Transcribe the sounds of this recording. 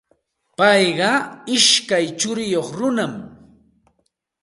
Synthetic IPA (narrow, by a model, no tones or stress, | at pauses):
pɑjɢɑɪʃkajt͡ʃʊɾɪjoχɾʊnam